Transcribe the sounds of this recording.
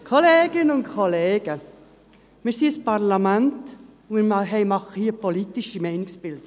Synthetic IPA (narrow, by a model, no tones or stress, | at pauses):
kʰoleːɡ̥ɪnənʊntkʰoleːɡə | miːsiːspɑʁlɑmɛntʊnimɑɦeɪmɑχəhiːəpoliːt̪ɪʃimæɪnɪsb̥ɪld